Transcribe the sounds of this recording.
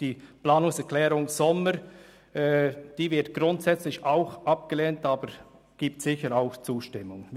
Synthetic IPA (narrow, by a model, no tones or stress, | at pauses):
d̥iːplaːnʊŋsɛklɛːɾʊŋz̥ɔməɾ | d̥iːvɪɐtɡ̥ɾʊntsɛt͡slɪçaʊxʔɑp̚ɡ̥əleːntɑːbəɾ | ɡ̥iːp̚tsɪçəɾaʊxt͡suːʃtɪmːʊŋ